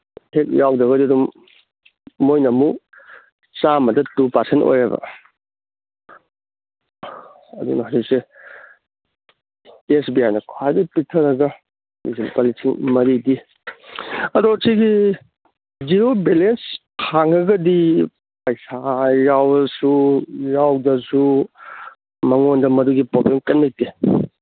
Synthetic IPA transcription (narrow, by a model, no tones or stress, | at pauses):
hʰek̚jawdɐɡɐdiɐdum | ojnɐmu | t͡ʃamɐdɐtupɐɾsento̰jɾɐbɐ̰ | ɐdṵnɐɦawzik̚se | esbijajnɐkʰwajdɐpitʰɐɾɐɡɐ | bḭsinpalisʰiŋmɐɾidi | ɐdɔsijɡi | d͡ʒiɾobelens | hʰaŋɐɡɐdi | pɐjsajawɐsujawdɐsu | mɐŋondɐmɐduɡipobemkɐnmik̚ti